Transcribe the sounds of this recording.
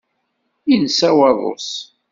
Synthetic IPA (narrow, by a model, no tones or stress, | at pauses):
insæwɑðˤo̰s